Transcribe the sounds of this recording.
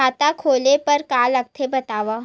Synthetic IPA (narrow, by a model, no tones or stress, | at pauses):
at̪akʰolepəɾkalək̚t̪ʰebət̪aʋa